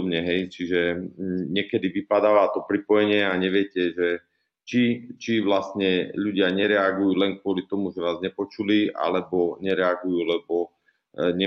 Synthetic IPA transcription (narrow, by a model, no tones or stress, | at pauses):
bɲɛɦɛjt͡ʃiʒɛɲɪɛkɛd̪iʋipad̪aːʋaːt̪ɔpɾipɔjɛɲɪɛaɲɛʋɪɛcɛʒɛ | t͡ʃit͡ʃiʋlast̪ɲɛʎuɟɪaɲɛɾɛaɡujuːlɛŋkʋʊɔlit̪ɔmuʒɛʋaːzɲɛpɔt͡ʃulia̰lɛbɔɲɛɾɛaɡujuːlɛbɔ | ɲɛ